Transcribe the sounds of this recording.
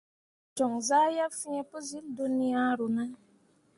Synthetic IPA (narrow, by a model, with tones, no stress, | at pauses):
t͡ʃɔ˨ŋza˦ja˦fi˦ɲe˦pʊ˦zi˦ldu˦ni˦a˦ɾu˨na˦